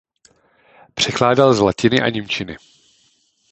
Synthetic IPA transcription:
pr̝̥ɛklaːdalzlacɪnɪʔa̰ɲɪmt͡ʃɪnɪ̰

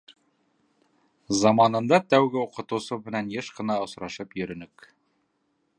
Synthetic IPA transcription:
zɑmɑnɤ̆nd̪ɑt̪æwɡɘuqɤ̆t̪ɤ̆wsɤmɘ̆nænjɘʃqɤ̆nɑŏsɾɑʃɤpjɵ̆ɾɵ̆nɵk

